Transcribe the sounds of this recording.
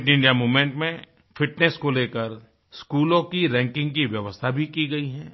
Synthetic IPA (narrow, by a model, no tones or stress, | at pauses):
ʈɪ̃ɳɖijamuːmẽɳʈmẽ | fɪʈneskoleːkəɾ | skuːlõkiɾɛ̃ːŋkɪ̃ŋɡ̚kiʋjɐʋəst̪ʰabʱikiɡɐiɦɛ̃ː